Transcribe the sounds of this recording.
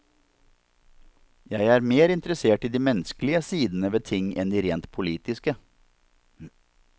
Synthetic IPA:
jæɪæːɾmeːɾɪnt̪əɾəseːʈiːd̪iːmɛnskəlɪəsiːd̪n̩əʋeːt̪ʰɪŋɛnd̪iːɾeːnt̪pʰʊliːt̪ɪskə

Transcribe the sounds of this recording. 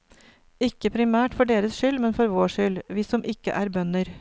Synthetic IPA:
ɪkəpʰɾɪmæːʈfɔɖeːɾəsʃʏlmɛnfɔɾʋoːʂʏlʋiːsɔmʔɪkə̰ʔæːɾbœnəɾ

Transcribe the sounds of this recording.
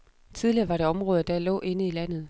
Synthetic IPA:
t͡sʰið̞ˠliɐʋɑ̈ɾe̝ɒ̽mʁɔ̽ːð̩ˠd̥ælɔ̰̽ːʔe̝nəilæn̰ð̞̩ˠ

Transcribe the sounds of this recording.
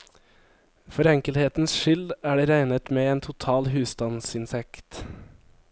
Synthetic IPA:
fɔɾɛŋkəlheːt̪n̩sʃʏlæːɖeːɾæɪnət̪meːeːnt̪ʰʊt̪ʰɑːlɦʉːst̪ɑnsɪnsɛkt̪

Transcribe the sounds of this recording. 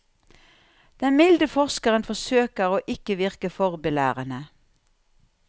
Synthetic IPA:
d̪̥ɛnmɪld̪əfɔʁskəʁənfɔsøːkəʁoːʔɪkəʋɪʁkəfɔʁbəlæ̰ːʁənə

